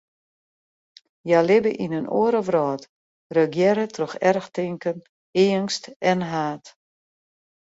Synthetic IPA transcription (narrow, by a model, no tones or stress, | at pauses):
jalɪbəʔinənʔo̰əɾəʋrɔːt | røɡjɛɾətʰrɔxɛrxtɪŋkən | eənstɛnɦaːt